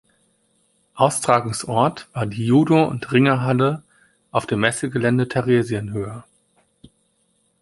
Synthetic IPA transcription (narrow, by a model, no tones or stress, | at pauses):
ʔaʊstʁ̥aːɡoŋsʔɔɐtv̥aːɐdiːjuːdoʊ̰ntʁɪŋɐɦalə | ʔaʊfd̥eːmːɛsəɡəlɛndətʰɛʁeːzjənɦøːɐ